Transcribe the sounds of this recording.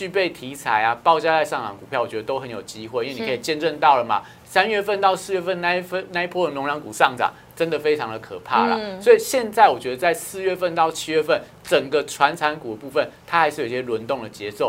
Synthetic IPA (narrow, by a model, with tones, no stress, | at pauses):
t͡ɕy˥˧pe˥˩ɪt̪ʰi˧˥˦t͡sʰa˨˩˦ɪa˨pɑ˥˧ʊt͡ɕja˥˧t͡sa˥˧ɪʂɑ˥˩ŋʈ͡ʂɑ̰˨˩ŋku˨˩pʰjɑ˥˩ʊwɔ˨˩t͡ɕɛ˧d̪ə˧t̪o˥ʊxə˧˦njo˨˩ʊt͡ɕi˦˥xwe˥˩ɪi˥we˥˩ni˧˨˧t͡ɕjɛ˥˧nʈ͡ʂə˥˧nt̪ɑ˥˩ʊlə˩ma̰˩ | sa˥nɥɛ˥˧fə˥˧nt̪ɑ˥˧ʊsɹ̩˥˧ɥɛ˥˧fə˥˩˧nna˥˧˥fə˥na˥˧i˥pʰwɔ˥d̪ə˨˩nʊ˧˥ŋɻɑ˧˥ŋku˨˩ʂɑ˥˩ŋʈ͡ʂɑ̰˨˩ŋ | ʈ͡ʂə˦˥nd̪ə˨fe˥ɪʈ͡ʂʰɑ˧˦ŋd̪ə˨kʰɤ̰˨˩pʰa̰˥˩lə̰˩swɔ˧˥i˨˩ɕjɛ˥˧nt͡sa˥˩ɪwɔ˨˩t͡ɕɥɛ˧˥d̪ə˧t͡sa˥˧ɪsɹ̩˥˧ɥɛ˥˧fə˥˧nt̪ɑ˥˩ʊt͡ɕʰi˧˥ɥɛ˥˧fə˥˩n | ʈ͡ʂə˨˩ŋɡə˦ʈ͡ʂʰwa˧˦˥nt͡sʰa˧˥nku˨˩d̪ə˦pu˥˧fə˨˩nt̪ʰa˥xa˧ɪʂɻ̩˥˩o˨˩˨i˦ɕjɛ˥lwə˧˥nt̪ʊ˥˩ŋd̪ə˩t͡ɕjɛ˧˥so˥˩ʊ